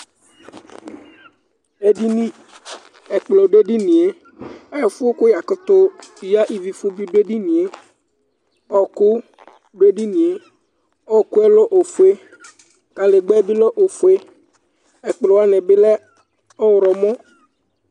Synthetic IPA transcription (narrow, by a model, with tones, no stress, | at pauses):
e˦di˦nĩ˦ | ɛ˨k͡plɔ˨ɖe˦ɖi˦nĩ˨e˦ | ɛ˦˨fʊ˦o˦kʊ˦ja˨kʊ˦t̪ʊ˦ja˦ʔi˨vi˨fʊ˦bi˦ɖo˦e˦ɖi˦nĩ˨e˦ | ɔ˦kʊ˦ | ɖo˦e˦ɖi˦nĩ˨e˨ | ɔ˦kʊ˦ɛ˦lɔ˦ʔo˨fu˨e˦ | ka˨le˨ɡ͡bɛ˦bi˦lɔ˦ʔo˨fu˨e˦ | ɛ˨k͡plɔ˨wa˦nɛ̃˨be˦lɛ˦ | ɔ˦wɾɔ˨mɔ̃˦